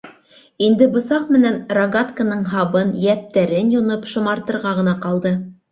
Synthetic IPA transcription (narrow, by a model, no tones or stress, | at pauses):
ind̪ɘbŏsɑqmɘ̆nænrɐɡat̪kənɤɴɦɑβɤnjæp̚t̪æɾɘnjŏnɤpʃŏmɑɾt̪ɤ̆ɾʁɑʁɤ̆nɑqɑlˠd̪ɤ